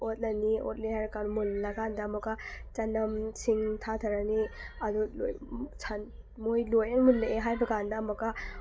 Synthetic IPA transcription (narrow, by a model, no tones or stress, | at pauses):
ot̚lɐniot̚leɦajbɐkanmunlɐɡandɐːmɐkɐt͡ʃɐnɐmsiŋtʰatʰɐɾɐniɐdulo̰t͡ʃʰan | mojlojɐnmunlɐeɦajbɐɡandɐːmɐkːɐ